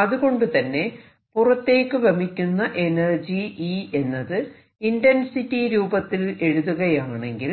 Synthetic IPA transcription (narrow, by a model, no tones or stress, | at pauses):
ɐðuɣo̞ɳɖɨt̪ɐnːe̞ | purɐt̪ːe̞ːkːɨbʱɐmikʲːunːɐʔe̞nɐrd͡ʑiie̞nːɐðɨ | indɐnsitːiɾuːbɐt̪ːile̞ɻuðuɣɐjaːɳe̞ŋɡil